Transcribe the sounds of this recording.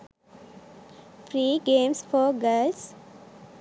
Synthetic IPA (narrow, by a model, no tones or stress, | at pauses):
fɾiːɡẽːmsfɔːɡəːls